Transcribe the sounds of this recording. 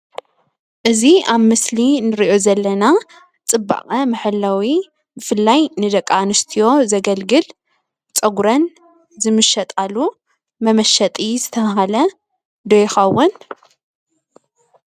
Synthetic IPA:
ʔɨziaβmɨslinɨɾiʔozɐlːɐna | t͡sʼɨbːa̰χʼɐmɨħɨlːawi | bɨfɨlːajnɨd̪ɐkʼːanɨst̪ʰijo̞zɐɡɐlɡɨl | t͡sʼɐɡuɾɐn | zɨmɨʃːɐt̪ʼalu | mɐmɐʃɐt̪ʼizɨt̪ʰɐɦalɐ | d̪ojxɐwːʊn

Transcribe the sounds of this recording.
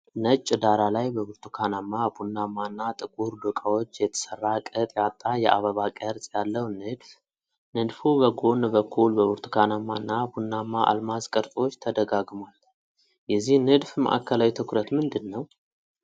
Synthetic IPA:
nət͡ʃʼːd̪aɾalajbəbɨɾt̪ʰukʰanamːabunːamanːat̪ʼɨkʼuɾdɨkʼawot͡ʃːjɛt̪ʰə̥sərːakʼət̪ʼjat̪ʼːajɛʔaβəβakʼəɾsʼjalːəwnɨd̪f | nɨd̪fubəɡonbəkʰːulbəβɨɾt̪ʰu̥kʰanamanːabunːamːaʔa̰lmaskʼəɾt̪ʼo̞t͡ʃːt̪ʰəd̪əɡaɡmal | jɛzːihnɨd̪fmə̰ʔa̰kʰːəlawit̪ʰɨkɾət̪mɨnd̪ɨnːəw

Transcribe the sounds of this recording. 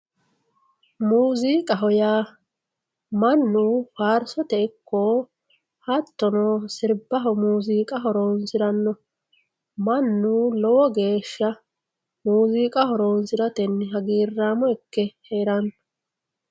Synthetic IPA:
muːziːkʼɐɦɔjaː | mɐnːuːfaːɾsɔt̪ɛɪkːoː | hɐt̪ːɔnɔːsɪɾbɐɦɔmuːziːkʼɐɦɔɾoːnsɪɾɐnːɔ | mɐnːuːlɔwɔɡe̞ːʃːɐ | muːziːkʼɐhɔɾoːnsɪɾɐt̪ɛnɦɐɡiːrːaːmɔɪkːɛheːɾɐnː

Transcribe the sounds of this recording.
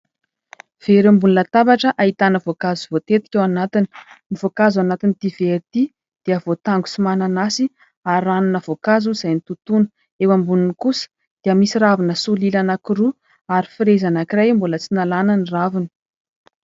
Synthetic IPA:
v̥eɾambunlət̪abaʈ͡ʂəʔait̪anəvokazuvot̪et̪i̥kʲewanat̪ini̥nivokazuanat̪init̪iveɾit̪i | d̪̥eəvot̪aŋɡu̥sumananasi | aɾanunəvokazuiz̥ajnit̪ut̪unə̥ | ewambununkusə̥ | d̪̥eəmisiɾavinəsulilanakiɾu | aɾifiɾezanakirajmbulət͡sinalananiravini̥

